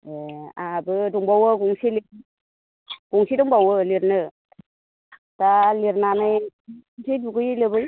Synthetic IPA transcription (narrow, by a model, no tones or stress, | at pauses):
eabɯduŋbawɯɡuŋsili | ɡ̥uŋsiduŋbawɯliɾnɯ | taliɾnanɯjuŋsijduɡɯjilɯbɯj